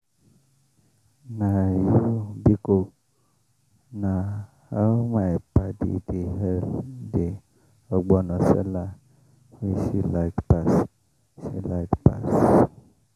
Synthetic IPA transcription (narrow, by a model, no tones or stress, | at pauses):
najubikok | na | hamajpadḭdiɦɛlde | ɔɡ͡bɔnɔsɛ̰la | hisilajkpas | sḭlajkpa̰s